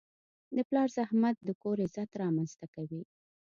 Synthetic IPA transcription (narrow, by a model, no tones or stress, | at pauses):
d̪əplɑɾzahmat̪̚d̪əkoɾezat̪ɾɑmanzt̪akawi